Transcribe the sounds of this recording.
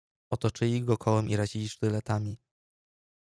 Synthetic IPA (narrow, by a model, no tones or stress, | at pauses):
ɔt̪ɔt͡ʂɘlʲiɡɔkʰɔwɛmʔiɾad͡ʑilʲiʂt̪ɘlɛt̪amʲi